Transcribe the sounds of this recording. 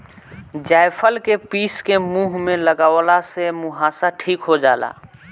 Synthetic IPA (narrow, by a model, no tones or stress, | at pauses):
d͡ʒaːɪpʰəlkepiːskemuːɦmẽləɡaːwlasemʊɦaːsaʈʰiːkɦod͡ʒa̰ːla̰ː